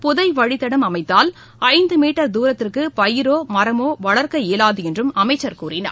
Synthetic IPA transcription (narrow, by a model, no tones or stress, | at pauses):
pʊðɐɪʋɐɻɪt̪ːɐɽɐmɐmɐɪt̪ːaːl | ɐɪnd̪ɯmiːʈːɐɾd̪uːɾɐt̪ːɪrkɯpɐjɪɾoːmɐɾɐmoːʋɐɭɐɾkɐeːlaːðɯɛndrɯmɐmɐɪt͡ʃːɐɾkuːrɪnɐ̰